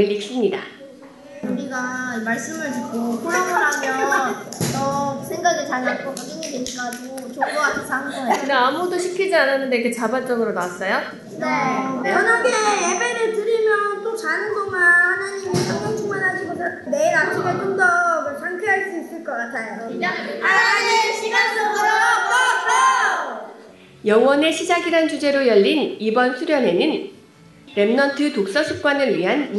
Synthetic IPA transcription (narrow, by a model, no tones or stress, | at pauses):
iɭiɕʰimɲida | uɾiɡaimaɭs͈ɯmɯɭtuk͈opʰoɾamɯɾɦamjʌ | ʌsʰeŋɡaɡet͡ɕanak͈ʰoɡoniɲidekaɡo | t͡ɕoɡoansʰaɦaŋɡakɯndeamudoɕʰikʰid͡ʑiananːɯndeikʰet͡ɕabat͡ɕ͈ʌɡɯɾonawas͈ʌjo | net͡ɕʌnakʰejebeɾɯɭtɯɾimjʌnt͈ot͡ɕanɯnɡomahanaɲimit͡ɕʰʌkʌt͡ɕuŋmanɦad͡ʑiɡosʰʌ | neɾat͡ɕʰimetʰoŋdʌɡɯɭsʰaŋtʰeɦaɭs͈uis͈ɯɭk͈ʌk͈atʰajoaɕʰiɡasʌ | jʌŋwʌne̞ɕʰid͡ʑaɡiɾant͡ɕud͡ʑe̞ɾojʌʎːinibʌnsʰuɾjʌnɦe̞nɯn | ɾe̞mnʌntʰɯtok̚s͈asʰuk͈̚wanɯɭɥiɦan